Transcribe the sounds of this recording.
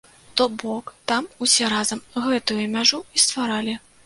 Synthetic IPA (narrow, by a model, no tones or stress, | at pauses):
t̪ɔbɔkt̪amusʲɛɾazɐmɣɛt̪ujʊmʲaʐuist̪vaɾalʲi